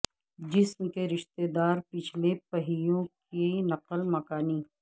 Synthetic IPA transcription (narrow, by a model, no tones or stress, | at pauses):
d͡ʒɪsmkeɾɪʃt̪ed̪aːɾpɪt͡ʃʰlepɐɦijõkinɐqəlmɐkaːniː